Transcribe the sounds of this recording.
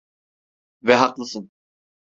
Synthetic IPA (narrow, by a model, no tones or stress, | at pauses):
vɛɦɑqlˠɯsɯn